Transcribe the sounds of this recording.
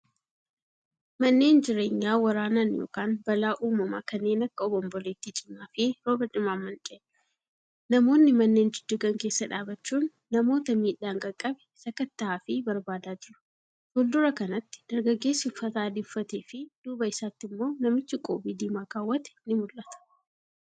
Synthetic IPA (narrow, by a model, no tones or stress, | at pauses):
mɐnːe̞ːnd͡ʒɪɾe̞ːɲːaːwɐɾaːnaːnjo̰ːkaːnbɐlaːʔuːmɐma̰ːkɐnːe̞ːnɐkːɐɔbɔmbɔleːt̪ːit͡ʃʼɪmːaːfeːɾoːbɐdɪmaːmːɐnt͡ʃʼe | nɐmo̞ːnːɪmɐnːe̞ːnd͡ʒɪd̪̥ːʊɡɐŋke̞ːsːɐᶑaːbɐt͡ʃːuːnːɐmo̞ːt̪ɐmiːᶑaːŋkʼɐkʼːɐbɛ̥sɐkɐt̪ːɐaːfɪbɐɾbaːd̪aːd͡ʒɪɾʊ̥ | tɔld̪ʊɾɐkɐnɐt̪ːɪ̥d̪̥ɐɾɡɐɡːe̞ːsɪfːɐt̪aːd̪ɪfːɐt̪eːfɪd̪̥uːbɐɪsaːt̪ːɪmːo̞ːnɐmɪt͡ʃːɪkʼo̰ːbiːd̪iːmakaːwːɐt̪ɛ̥nɪmʊlʔɐt̪ɐ̥